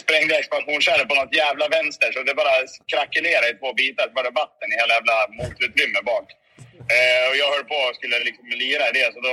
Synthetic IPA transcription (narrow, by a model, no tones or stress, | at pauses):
spɾɛŋd̪əɛkspanɧuːnɧɛlvpɔnɔt̪ːjæːvlavɛnst̪əʂɔd̪ɛbɑːɾakʰɾakːɵleːɾaɪt̪ʰvoːbiːt̪aɾvɑɖɛvat̪ːənɪheːlajæːvlamuːlt̪ʉ̟ːt̪ɾʏmːəbɑːk | ɔjɑːɡhœːɖpʰɔskɵlːəlɪksɔmːɛliːɾaɪd̪ɛsɔd̪ɔ